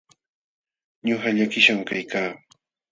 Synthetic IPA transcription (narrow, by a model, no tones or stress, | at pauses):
ɲohaʎakɪʃamkajkaː